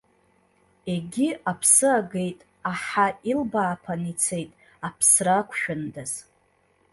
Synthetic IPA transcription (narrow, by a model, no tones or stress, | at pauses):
e̞ɡʲiapʰsɨaɡe̞jtʼ | aħailbaːpʰanit͡sʰe̞jtʼ | apʰsrakʷʰʃᶣʊndaz̥